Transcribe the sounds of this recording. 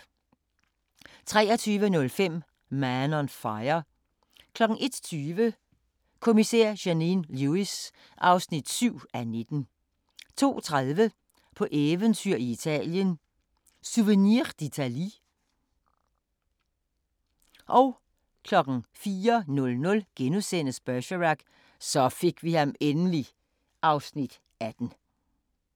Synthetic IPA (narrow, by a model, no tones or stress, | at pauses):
t͡sʰʁɛːɒt͡sʰyːʋənɔ̽lfem̰ | mænɒnfɑ̈ɪɐ | kʰlɒ̽ɡ̥ŋ̩e̝d̥t͡sʰyːʋə | kʰo̝miseɐ̰ɕæninluis | ʔɑ̈ʊsnid̥syʊ̰æne̝d̥n̩ | t͡sʰo̝̰ːt͡sʰʁaðˠʋə | pʰɒ̽ʔeʋənt͡sʰyɐ̰iit͡sʰɛ̰ːljən | suʋəniʁd̥it͡sʰæli | ʔɒ̽ʊ | kʰlɒ̽ɡ̥ŋ̩fiːɐnɔ̽lnɔ̽lɡ̥enusen̰əsb̥æɕəʁɑɡ̥ | sɒ̽fe̝ɡ̥ʋihɑ̈menəli | ʔɑ̈ʊsnid̥ | æd̥n̩